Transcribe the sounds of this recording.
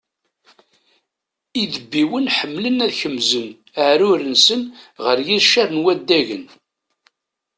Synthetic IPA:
iðəbːiwənħəmːlənæðçəmzən | əʕɾʊɾənsənʁəɾjiɾʃaɾˤnwæd̪ːæʝən

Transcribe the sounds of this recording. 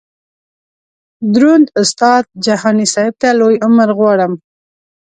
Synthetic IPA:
d̪ɾund̪ʊst̪ɑd̪̚d͡ʒahɑnisɑɪb̚t̪alojʊməɾɣwɑɽəm

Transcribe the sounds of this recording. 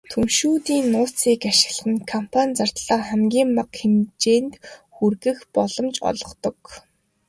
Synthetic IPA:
t̪ʰumʃuːt̪iːnːʊːt͡siːkaʃɪ̥̆ɣɮχɘ̆nkʰɔmpʰanʲt͡sar̥t̪ɮaːχæmɡʲiːmːaqxemt͡ɕeːnt̪xurɣɘ̆xpɔɮɞ̆mt͡ɕɔ̰ɮɞ̆qt̪ɞ̆k

